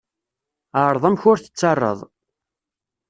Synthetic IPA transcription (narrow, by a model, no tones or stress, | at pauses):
əɾˤðˤæmçʊɾθə̥t͡sːɑrˤːə̰ðˤ